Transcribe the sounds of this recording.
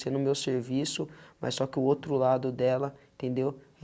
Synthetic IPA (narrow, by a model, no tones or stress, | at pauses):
sẽnʊmewseɾvisʊmɐ̰ssɔkɪʊowt̪ɾʊlad̪ʊd̪ɛlɐẽt̪ẽnd̪ew